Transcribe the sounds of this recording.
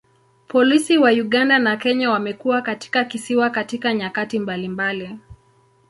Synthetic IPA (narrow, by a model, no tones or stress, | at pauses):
pʰɔlisiwajuɠandanakɛɲawamɛkuwakati̥kakisiwakatikaɲakatimbalimbali